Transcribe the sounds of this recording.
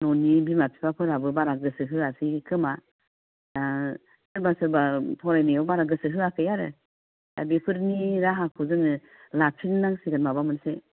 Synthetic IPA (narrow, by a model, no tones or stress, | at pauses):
nɔnibimapʰi̥pʰapʰɯɾabɯbaɾaɡɯsɯɦɯasikʰɯma | da | sɯɾbasɯɾbapʰɔɾajnejɔbaɾaɡɯsɯɦɯakʰɯjaɾɯ | da̰bipʰɯɾniɾaɦakʰuzɯŋɯ | lapʰinnaŋsiɡanmabamɯnse